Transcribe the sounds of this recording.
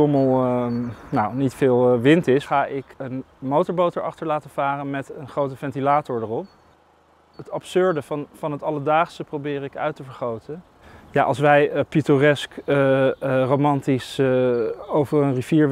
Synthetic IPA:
oməlˠ | nawnitfɪːlˠʋɪntɪsχaːʔɪkənmowtɔɹbowtəɹɑ̰χtəɹlaːtəv̥aːrənmɛtənχrowtəfɛntilaːtɔɹdərɔp̚ | ɦətɑpsøɹdəfɑnɦətɑlədaːχsəprowbɪːrɪkœ̰ɥtəvəɹχowtən | jaʔɑ̰lˠsʋɛjpitorɛsk | rowmɑntis | owvəɹənriviːɹ

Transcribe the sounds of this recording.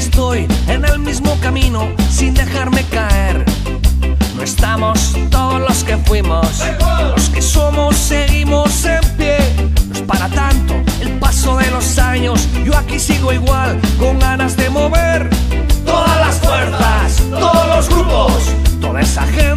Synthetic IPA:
est̪o̞jenelmizmo̞kamĩnosind̪e̞xaɾme̞kaeɾ | noest̪amo̞st̪o̞ðozlo̞ske̞fwimos | loskeso̞mo̞sːeɣimosempje̞ospaɾat̪ant̪oelpaso̞ðe̞lo̞saɲo̞sʝo̞akisiɣo̞iɣwalko̞ŋɡanazðe̞mo̞βe̞ɾ | t̪oðalaskweɾt̪ast̪oðoozɣɾupos | t̪oðaesa̰xen

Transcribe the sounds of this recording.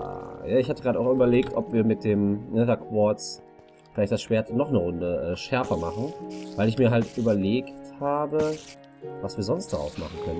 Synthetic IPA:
a̰jaːɪçhatəɡʁaːdəaʊxʔyːbɐleːktʔɔpv̥iːɐmɪt̚d̥eːmnədaɐkʰv̥ɔɐt͡s | fɪlaɪçtd̥asʃv̥eːɐtnɔχnəʁʊndəʔɛːʃɛɐfɐmaχn̩vaɪlɪçmiːɐɦaltʔyːbɐleːkthaːbə | vasv̥iːɐzɔnst̚d̥aʁa̰ʊsma̰χn̩kʰœnən

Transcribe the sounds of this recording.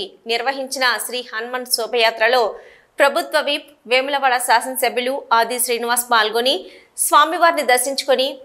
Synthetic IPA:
niɾʋɐɦiɲt͡ʃinɐʃɾiːhɐnmɐnɖsɔːbɐjaːt̪ɾɐlo̞ː | pɾɐbʱut̪ʋɐʋiːp | ʋeːmulɐʋaːɭɐsaːsɐnsɐbʱiluaːd̪iʃɾiːniʋaːspaːlɡoni | sʋaːmiʋaːɾnid̪ɐɾʃiɲt͡ʃu̥koni

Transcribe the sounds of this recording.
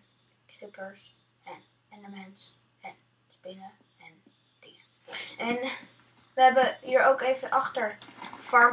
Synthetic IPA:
krɪpəɹs | ɛn | ɛndəmɛnts | ɛn | spɪnə | ɛn | d̥ɪŋə | ɛn | ʋəɦɛbəɦiːɹowkejvənʔɑχtəɹfɔɹ

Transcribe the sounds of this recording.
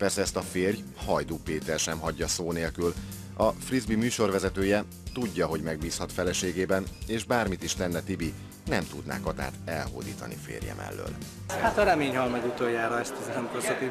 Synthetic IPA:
pɛrsɛɛst̪ɒfeːrj | hɒjd̪uːpeːt̪ɛrʃɛmɦɒɟːɒsoːneːlkyl | ɒfrizbimyːʃo̞rʋɛzɛt̪øːjɛ | t̪uɟːɒɦo̞ɟmɛɡ̚biːshɒt̪fɛlɛʃeːɡeːbɛneːʒbaːrmit̪iʃt̪ɛnːɛt̪ibi | nɛmt̪ud̪na̰ːkɒt̪a̰ːt̪ɛlho̰ːd̪ḭːt̪ɒ̰nḭfḛːrjɛ̰mʔɛ̰lːø̰ːl | at̪ɒɾɛmeːɲhɒlmɛɡut̪ojaːɾɒɛst̪izɛɾɛmkosɛt̪i

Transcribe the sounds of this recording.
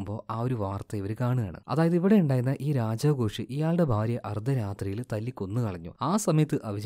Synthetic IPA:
mbo̞ːʔaːo̞ɾuʋaːrt̪ːɐiʋɐɾkaːɳujaːɳɨ̰ɐ̰ðaːjɐðiʋiɽejuɳɖaːjiɾnːɐʔiːɾaːd͡ʑɐʋɡoːʂɨʔijaːɭɖe̞bʱaːɾjɐʔɐrd̪ʱːɐɾaːt̪rijilt̪ɐlːikʲːo̞nːɨkɐɭɐɲːṵaːsɐmɐjɐt̪ːɨʔɐʋid͡ʑ

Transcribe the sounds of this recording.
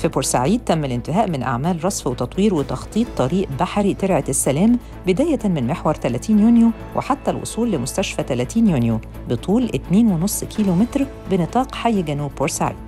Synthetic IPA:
fiboɾsa̰ʕiːd̪̚t̪æmːælʔɪnt̪ɪɦæːʔmɪnʔa̰ʕmæːlɾˤɑsˤfwet̪ɑt̪ˤwiːɾwet̪ɑxt̪ˤiːt̪ˤːɑɾiːʔbaħɾit̪eɾʕesːælæːm | bɪd̪æːjæmɪnmeħwɑɾˤt̪ælæt̪iːnjunju | wʔḛħat̪ːælʔo̰sˤuːlːɪmʊst̪æʃfæt̪ælæt̪iːnjʊnju | bet̪ʰˤuːlʔet̪neːnwenosˤːkʰiːlomet̪ɾ | bɪnɨt̪ˤɑːqħajːɡænuːbːoɾsaʕḭːd̪̥

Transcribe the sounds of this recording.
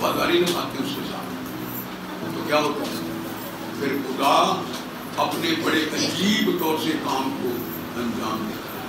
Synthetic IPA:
aːd̪a̰ːɾiːnə̃ka̰ːt̪ẽʊ̃sed͡ʒa̰ːɾ | t̪oːkjaːot̪a | pʰɪɾxʊd̪aː | əpneːbəɽeːʔ̪əd͡ʒiːbt̪ɔːɾseːkaːmkoː | ənd͡ʒaːmd̪eː

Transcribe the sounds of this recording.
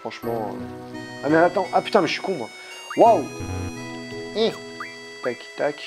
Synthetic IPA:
fχɑ̃ʃmɑ̰̃ | amɛat̪ɑ̃ʔapy̥t̪ɛ̃mʃi̥kũmwa | waw | ĩ | t̪aki̥t̪ak

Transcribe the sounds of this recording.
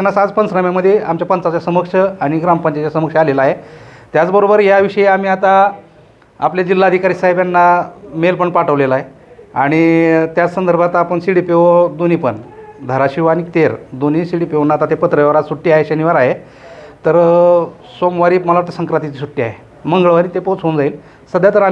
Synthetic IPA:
nasad͡zpənt͡sɾəmaməd̪ʱːjeamt͡ɕjapənt͡sat͡ɕasəməkʂəaɽ̃iɡɾampəɲt͡ɕat͡ɕasəməkʂalelaɦet̪jat͡sbəɾobəɾjaʋiʂəeamiːat̪a | a̰pljad͡ʑilːaːd̪ʱikaɾisaɦebjanːamelpəɳpaʈəʋlelaɦe | aɽ̃it̪jat͡ssənd̪əɾbʱat̪apəɳsiɽipeʋod̪onipənd̪ʱəɾaɕiʋanit̪eɾd̪onisiɽipeonːat̪at̪epət̪ɾəjeʋaɾat͡ssuʈːiːaɦeɕəniʋaɾaɦe | t̪əɾ | somʋaɾiːməlaʋaɾt̪esəŋkɾat̪it͡sisuʈːiːa̰ɦe | məŋɡɭəʋaɾit̪epot͡sɦond͡zaiːl | səd̪ʱjat̪əɾa

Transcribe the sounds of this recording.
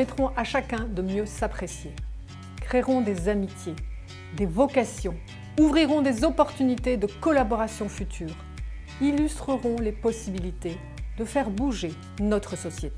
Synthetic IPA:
ɛt̪χɔ̃ʔaʃakʲɛ̃d̪əmjøsapχesje | kχeʁɔ̃d̪ezamit̪je | d̪evɔkasjɔ̃ | uvʁiʁɔ̃d̪ezɔpɔʁt̪ynit̪ed̪əkɔlabɔʁasjɔ̃fyt̪ʰyːʁ | ilyst̪χəʁɔ̃lepɔsibilit̪e | d̪əfɛʁbuʒe | nɔt̪χəsɔsjet̪

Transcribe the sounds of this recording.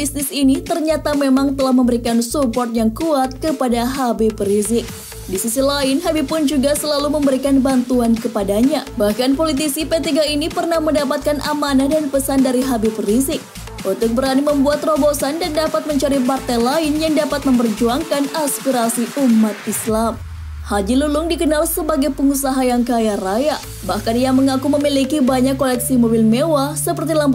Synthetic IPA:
bisnɪsinit̪ərɲat̪amemaŋt̪əlahməmbəɾikansupɔrt̪̚jaŋkuat̪̚kəpadaɦabipəɾizɪk̚ | disisilaɪnɦabipʊnd͡ʒuɡasəlaluməmbəɾikanbant̪uankəpadaɲabahkanpolit̪̬isipet̪iɡainipərnahməndapat̪̚kanʔa̰manadanpəsandaɾiɦabipəɾizɪk̚ | ʔunt̪ʊk̚bəɾaniməmbuat̪robosandandapat̪̚məɲt͡ʃaɾipart̪alaɪnjaŋdapat̪̚məmpərd͡ʒuaŋkanaspiɾasiʔumːat̪̚islam | had͡ʒilulʊŋdikənalsəbaɡajpəŋusaɦajaŋkajaɾaja | bahkanijaməŋakuməmilikibaɲakːolɛksimobilmewasəpərt̪ilam

